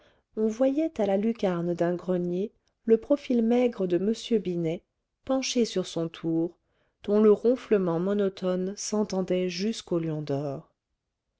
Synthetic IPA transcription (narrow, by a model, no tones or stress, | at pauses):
ɔ̃vwajɛt̪alalykaʁnd̪ɛ̃ɡʁənje | ləpχɔfilmɛɡʁəd̪əməsjøbinɛ | pɑ̃ʃesyʁsɔ̃t̪ʰuʁ | d̪̥ɔ̃ləʁɔ̃fləmɑ̃mɔnɔt̪ɔnsɑ̃t̪ɑ̃d̪ɛʒyskoljɔ̃d̪ɔʁ